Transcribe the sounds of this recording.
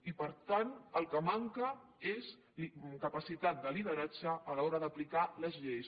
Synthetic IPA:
ipəɾt̪anəlˠkəmaŋkə | ez | kəpəsit̪at̪̚d̪əliðəɾad͡ʒəːlɔɾəðəplikaləzʎes

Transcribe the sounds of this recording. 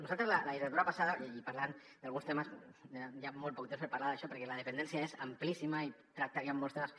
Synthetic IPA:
nuzalt̪ɾezlalaðiret̪uɾapasaðaipaɾlan | d̪alɣunst̪emasajamɔlt̪pɔk̚t̪emspeɾpaɾlaðaʃɔpəɾkɛlaðepend̪ensjaezamplisimait̪ɾak̚t̪akjamːɔlst̪emas

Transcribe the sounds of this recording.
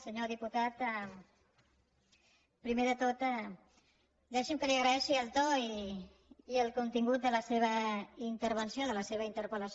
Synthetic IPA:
səɲoðiput̪at̪ɛ | pɾimeðət̪ot̪ɛ | d̪ɛʃimkəliəɣɾəɛʃiəlˠt̪oiː | əlˠkunt̪iŋɡut̪̚d̪ələseβ̞əint̪əɾβ̞ənsioðələseβəint̪əɾpələs

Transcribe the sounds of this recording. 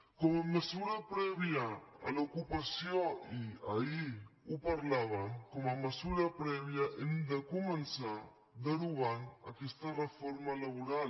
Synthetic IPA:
kɔmaməzuɾapɾɛβjaa̰lokupasjoia̰iupaɾlaβamkɔmaməzuɾapɾɛβjaʔend̪əkumənsa | d̪əɾuana̰kɛst̪arəfoɾmalaβuɾa

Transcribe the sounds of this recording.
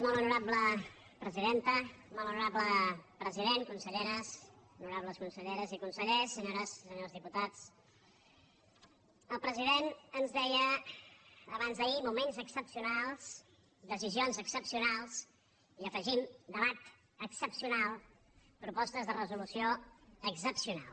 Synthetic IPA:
molˠunuɾablə | pɾəziðent̪əmɔlˠunuɾabləpɾəziðeŋkunsəʎeɾəsunuɾaβləskunsəʎeɾəzikunsəʎesːəɲoɾəsːəɲozðiput̪at͡s | əlˠpɾəziðenənzðɛjə | əβanzðəimumenzəksəpsiunalˠz̥ | d̪əzizionzəksəpsiunalˠs | iəfəʒimd̪əβat̪ | əksəpsiunalˠ | pɾupɔst̪əzðərəzulusioəksəpsiuna̰lˠ

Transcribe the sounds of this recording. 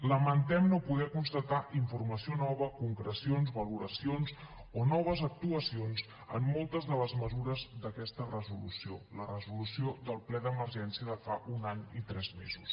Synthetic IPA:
ləmənt̪ɛmnopuðɛkunst̪ət̪aʔiɱfurməsionɔβ̞əkuŋkɾəsionzβəluɾəsionzonɔβ̞əzək̚t̪uəsionz | ə̰mːɔlˠt̪əzðələzməzuɾəzd̪əkɛst̪ərəzulṵsiolərəzulusiod̪əlˠplɛðəməɾʒɛnsiəðəfaʔunaɲit̪ɾɛzmḛzṵs

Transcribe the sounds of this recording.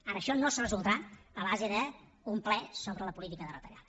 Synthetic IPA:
aɾəːʃɔnosərəzulˠd̪əɾaəβazəðə | umplɛsoβɾələpulit̪ikəðərət̪əʎað

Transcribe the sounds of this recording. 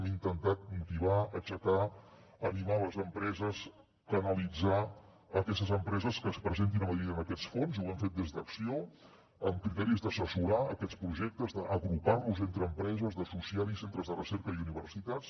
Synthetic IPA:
mint̪ənt̪at̪̚kulˠt̪iβ̞aət͡ʃəka | ənimaləzəmpɾɛzəs | kənəlid͡za | əkɛst̪əzəmpɾɛzəskəspɾəzent̪̬inəməðɾit̪ənəkɛt͡sfonzuaɱfet̪̚d̪ezd̪əksio | əmkɾit̪ɛɾizd̪əsəsuɾaəkɛt͡sspɾuʒek̚t̪əzðəʔəɣɾuparluzent̪ɾəːmpɾɛzəzðəsusialˠisent̪ɾəzðərəsɛɾkəiuniβərsit̪as

